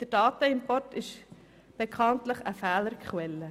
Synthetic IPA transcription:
d̥əɾd̥ɑːtəɪmpɔrtɪʃ | b̥ekʰχɑntləχəfæːləɾkχwɛlːə

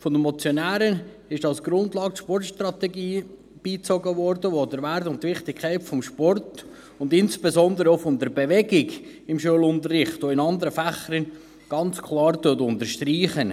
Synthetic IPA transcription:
fɔdəmɔt͡sjɔnæːɾə | ɪʃɑlsɡ̥ɾʊndlɑːktʃpɔrtʃtrɑtɛɡiː | b̥iːt͡sɔɡəʋɔɾdəʋodəɾʋæɾtʊntʋɪχtɪkkʰːæɪtfɔmʃpɔrt | ʊndɪnsb̥ezɔnd̪əɾofɔmd̪əɾbeʋɛɡɪɡɪmʃuəlʊnt̪ərːɪχtoɪnɑnd̪əɾəfæχəɾən | ɡ̥ɑnt͡skʰlɑːɾtʊtʊntəɾʃtriːχən

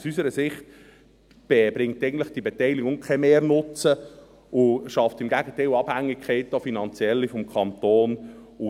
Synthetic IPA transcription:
usysəɾəsɪχt | b̥ɛbɾɪŋ̚tɛɪɡən̩tləχd̥ibɛtɛɪliɡʊŋkʰɛmeːrnʊt͡sə | ʊʃɑftɪmɡæɡətɛɪlɑb̥hæŋːikʰχɛɪtofinɑnt͡sjɛlːifɔmkʰɑnt̪oːn | u

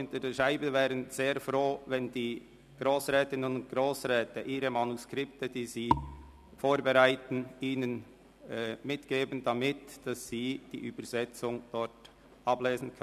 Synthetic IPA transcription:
ʊntədeːʃaɪbəvɛːɾənz̥eːɐfroːvɛndiː | ɡ̥ʁoːsʁɛːtɪnənʊnt̚ɡ̥ʁoːsʁɛːtəʔiːɾəmanuskʁ̥ɪptədiːziː | foːɾbɛʁaɪtn̩iːnənː | mɪtɡ̥eːbənd̥amɪtd̥asz̥iːd̥ḭːʔyːbəzɛt͡sʊŋd̥ɔɾt | ʔɑbleːzn̩kʰœ

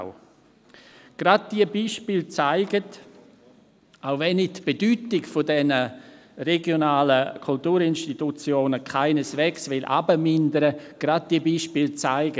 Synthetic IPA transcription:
ʊ | ɡ̥ɾad̚d̥iəbiːʃpiːlt͡saɪɡət | aʊvɛnːɪtb̥edyːtɪɡfodɛnə | rɛɡjonaːləkʰultuːɾɪnʃtitut͡sjoːnəkʰaɪnəsvɛːksvɪlʔa̰bəmɪndəɾəɡ̥ɾad̚d̥iəbiːʃpiːlt͡saɪɡə

